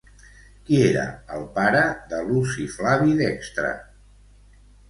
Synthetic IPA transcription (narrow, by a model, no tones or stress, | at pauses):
kieɾə̰əlˠpaɾəðəlusiflaβiðɛkst̪ɾə̰